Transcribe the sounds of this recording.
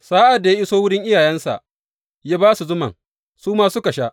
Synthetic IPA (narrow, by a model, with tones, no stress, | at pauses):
saː˦ʔa˨dːa˨ja˦ʔɪ˦soː˦wʊ˦ɽɪ˦ŋʔɪ˦jaː˨jɛ˦nsa̰˨ʔ | ja˦baː˦su˨zʊ˦mɐ̰˨ŋ | suː˦maː˦sʊ˦ka˨ʃa˦ʔ